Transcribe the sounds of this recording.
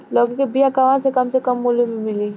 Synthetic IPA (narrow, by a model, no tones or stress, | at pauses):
lɔːɡikebijakɐʋãsekɐmsekɐmːulumimɪli